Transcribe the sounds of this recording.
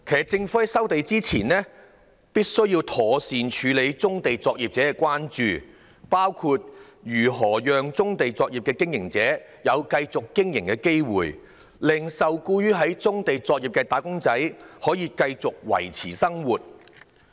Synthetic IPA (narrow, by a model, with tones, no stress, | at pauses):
kʰeː˨t͡sɪ˧ŋfuː˨˥ɐ˨˥jsɐ˥wt̪e˨˧jt͡siː˥t͡sʰiː˨˩nnɛː˥ | piː˥t̚sɵ˥ɥji˧wt̪ʰɔː˨˥siː˨nt͡ʃʰyː˨˧le˨˧˥jt͡sʊ˥ŋt̪e˨jt͡sɔː˧k̚jiː˨p̚t͡sɛː˨˥˧kʷwaː˥nt͡ʃyː˨˧ | paː˥wkʰuː˧t̚ | jyː˨˩ɦɔː˨˩jœː˨ŋt͡sʊ˥ŋt̪e˨jt͡sɔː˧k̚jiː˨p̚kɛː˧kɪ˥ŋjɪ̰˨˩ŋt͡sɛː˨˥ | jɐ˨˧wkɐ˧jt͡sʊ˨kːɪ˥ŋjɪ˨˩ŋkɛː˧ke˥jwṵː˨˩j | lɪ˨˩ŋsɐ˨wkuː˧jyː˥ɦɐ˨˥jt͡sʊ˥ŋt̪e˨jt͡sɔː˧k̚ji˨p̚kɛː˧t̪aː˨˥jkʊ˥ŋt͡sɐ˨˥jhɔː˨˥jiː˨˧kɐ˧jt͡sʊ˨k̚wɐ̰˨˩jt͡sʰiː˨˩sɐ˥ŋwuː˨t̚